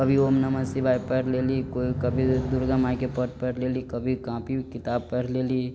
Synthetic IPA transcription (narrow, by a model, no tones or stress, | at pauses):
kɐbʱiomnɐməsibʱaːipɛɾlelikoːikɐbʱid̪ʊɾɡəmaːikepəʈpɛɾleːlikɐbʱikãːpikɪt̪aːb̚pɛɾleːli